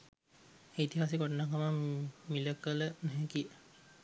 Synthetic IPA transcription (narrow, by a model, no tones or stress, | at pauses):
eːit̪iɦasiɡoʈənakamamiləkələnɛɦɛkiə